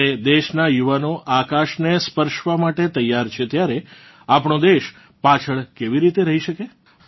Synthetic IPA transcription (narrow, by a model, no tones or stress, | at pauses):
ed̪eʃnajuʋanoʔakaʃnespəɾʃʋamaʈet̪əjːaɾt͡ʃʰet̪jaɾe | apɳod̪eʃ | pat͡ʃʰəɭkeʋiɾit̪eɾəɦiʃəke